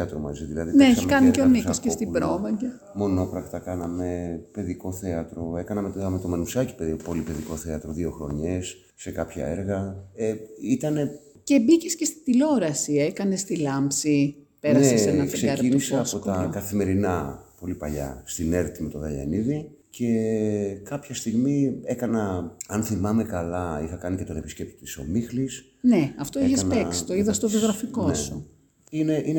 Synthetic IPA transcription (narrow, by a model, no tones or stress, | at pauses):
ɐt̪ɾomɐ̰ziðilɐðineeimkɐniceonisiscest̪ibɾo̞vɐce | mo̞no̞pɾɐɣt̪ɐkɐnɐme̞pe̞ðiko̞θe̞ɐt̪ɾo̞e̞kɐnɐmet̪ɐme̞t̪o̞menusɐci̥pepo̞lipe̞ðiko̞θeɐt̪ɾoðio̞xɾo̞̰ɲe̞sː | e̞kɐpçɐ̰e̞ɾɣɐeit̪ɐne̞ | ce̞bicescest̪i̥t̪ilo̞ɾɐsiekɐne̞st̪ilɐmpsi | peɾɐnsessenɐtkseɐɾinniseɐpo̞t̪ɐkɐθime̞ɾinɐpo̞lipɐ̰ʎɐ̰st̪ine̞ɾt̪imet̪o̞ðɐʎɐ̰niði | ce̞kɐpçɐst̪iɣmie̞kɐnɐɐnθimɐme̞kɐlɐixɐkɐnice̞t̪o̞ne̞piscep̚t̪i̥t̪i̥so̰mixlis | neɐft̪o̞eçesneksi̥t̪oiðɐst̪oðioɣɾɐfiko̞su | ineʔin